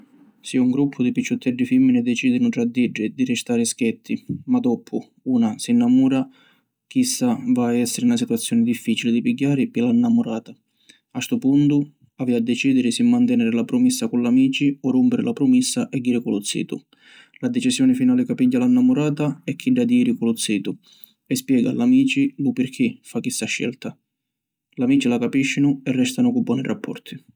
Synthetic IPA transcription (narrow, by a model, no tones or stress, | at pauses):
siːauŋɡɾupʰːʊd̪ipit͡ʃːʊt̪ʰːɛɖːifimːinɪd̪ɛt͡ʃiːd̪ɪnʊʈɾad̪ːiɖːɪd̪irɪst̪aːɾɪskɛt̪ʰːimad̪ɔpʰːʊ | uːnasinːamuːɾa | k̟isːavaːɛsːɪɾɪunasit̪uat̪sːjɔːnɪd̪ifːiːt͡ʃilɪd̪ipiɟːaːɾɪpɪlanːamʊɾaːt̪a | ast̪ʊpunt̪ʊ | aviad̪ːɛt͡ʃiːd̪ɪɾɪsimːant̪ɛnɛːɾɪlapɾʊmisːakʊlːamiːt͡ʃiɔrːumpɪɾɪlapɾʊmisːaʔɛd̪ːiːɾɪkʊlʊt̪sːḭːt̪ʊ̰ | lad̪ɛt͡ʃisjɔːnɪfinaːlɪkapiɟːalanːamʊɾaːt̪aɛkʰːiɖːad̪jiːɾikʊlʊt̪siːt̪ʊ | ɛspjɛːɡa̰lamiːt͡ʃilupɪɾkʰɪfakːist̪ːaʃːɛ̰lt̪a | lamiːt͡ʃilakapiʃːinʊɛrːɛst̪anʊkubːɔːnirʔapːɔ̰rt̪ʰi̥